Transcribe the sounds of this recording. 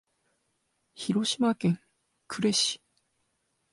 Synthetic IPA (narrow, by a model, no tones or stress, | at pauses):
çiɾo̞ɕimakẽ̞ŋ | kʰɯ̟ɾe̞ɕi̥